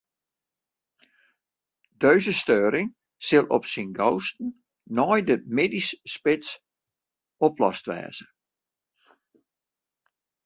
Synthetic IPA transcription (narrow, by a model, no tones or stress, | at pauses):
d̥øɥzəstøːɾɪŋ | sɪlˠɔ̰psinɡowstn̩ | nɔjdəmeːdisːpɪs | ɔplɔ̰stʋɛ̰ːz̥ə